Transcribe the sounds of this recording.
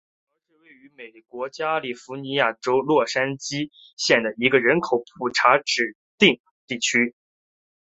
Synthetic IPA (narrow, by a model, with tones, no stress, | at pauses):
ɔ˧˥ʂɻ̩˥˧we˥˩ɪy˧˥me˨˩ɪkwɔ˧˥t͡ɕja˥li˨˩fu˧˥ni˧˥ja˥˩ʈ͡ʂo˥ʊlwɔ˥˩ʂa˥nt͡ɕi˥ | ɕjɛ˥˩nd̪ə˩i˧˥ɡə˧ɻə˧˥nkʰo˨˩ʊpʰu˨˩ʈ͡ʂʰa˧˥ʈ͡ʂɻ̩˨˩ | t̪i˥˧ŋ | t̪i˥˩t͡ɕʰy˥